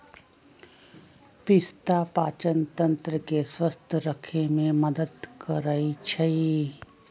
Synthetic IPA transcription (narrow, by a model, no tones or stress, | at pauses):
pɪst̪apaːt͡ʃənt̪ə̃nt̪ɾəkeswəst̪ʰɾəkʰemẽməd̪əd̪kəɾait͡ʃʰɐi